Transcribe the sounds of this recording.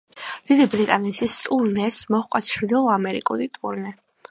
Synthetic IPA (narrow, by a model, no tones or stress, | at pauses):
d̪̥id̪ibɾit̪ʼanɛt̪ʰist̪ʼuɾnɛsmɔχkʷʼat̪ʃʰɾid̪ilˠamɛɾḭkʼṵlit̪ʼṵɾnɛ